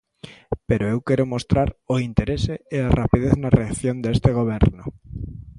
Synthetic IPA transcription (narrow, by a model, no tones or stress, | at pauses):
peɾoewkeɾomost̪ɾaɾoint̪eɾeseːarapiðeθnareaθjond̪est̪eɣ̞oβ̞eɾnʊ